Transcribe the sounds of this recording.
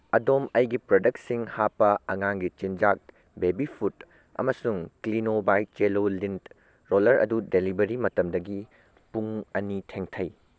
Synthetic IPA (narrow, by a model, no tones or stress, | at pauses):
ɐdomɐjɡipɾodɐk̚t̚siŋhapːɐɐŋaŋɡit͡ʃind͡ʒak̚ | bebipʰut | ɐ̰mɐsuŋklinobajt͡ʃelolint | ɾolɐɾɐ̰dudelibɐɾimɐtɐmdɐɡi | puŋɐnitʰeŋtʰɐj